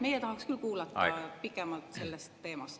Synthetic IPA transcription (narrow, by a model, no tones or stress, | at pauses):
me̞jɛt̪ɑhɑkskylkuːlɑt̪ɑ̰pikːˑɛmɑlt̪ˑse̞lːest̪ːe̞ːmɑst̪